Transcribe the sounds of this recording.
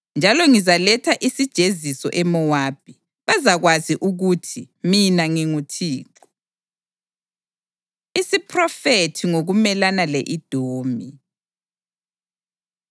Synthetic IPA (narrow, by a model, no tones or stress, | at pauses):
nd͡ʒʱalɔŋizalɛtʰaʔisid̥ʒ̥ʱezisɔ̰ʔɛmɔwaːb̥ʱi | βazaɣwaziʔuɣutʰi | minaŋiŋutʰiːku̥ | isipʰrɔfetʰiŋoɣumɛlanaleʔid̥ʱoːmi